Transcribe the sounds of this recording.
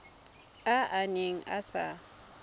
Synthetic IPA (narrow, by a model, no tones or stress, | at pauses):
aʔaneŋ̩a̰sa